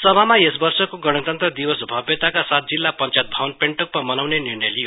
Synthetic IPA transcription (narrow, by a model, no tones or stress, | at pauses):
sʌbʱamaesbʌrsʌkoɡʌɽ̃ʌt̪ʌnt̪rʌd̪iwʌsbʱʌbjʌt̪akasat̪̚d͡zilːapʌnt͡sajt̪̚bʱawʌnpeɳʈʌk̚mamʌnawnenirnʌjli